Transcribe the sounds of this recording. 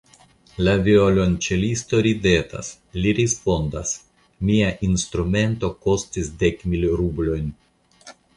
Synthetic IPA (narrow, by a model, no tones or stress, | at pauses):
lavio̞lo̞nt͡ʃelisto̞ɾide̞ta̰s | liɾispo̞ndas | miaʔinst̪ɾume̞nto̞ko̞stisde̞kmilɾublo̞jn